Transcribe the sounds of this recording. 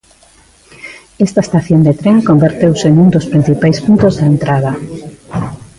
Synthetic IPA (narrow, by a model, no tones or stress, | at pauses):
ɛst̪ae̥st̪aθjond̪et̪ɾeŋkombeɾt̪ewsenuŋd̪ospɾin̟θipajspunt̪ozðaent̪ɾaðɐ